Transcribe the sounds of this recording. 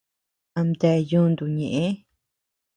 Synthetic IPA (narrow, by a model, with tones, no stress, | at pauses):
a˧˨md̪e˧jũː˦˧nd̪u˨ɲẽ˨ʔẽ˦